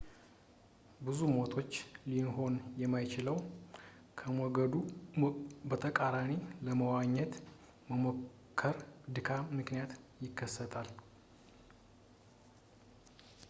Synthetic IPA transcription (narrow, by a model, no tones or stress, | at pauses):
bɨzumot̪ʰo̞t͡ʃːlinɦo̞njɛmːajt͡ʃɪləw | kʰəmɔɡəd̪u | bət̪ʰəkʼaɾaniləməwaɲːɛt̪ | məmo | kʰːəɾd̪ɨkʰamɨknijat̪jɪkːəsːət̪ʰal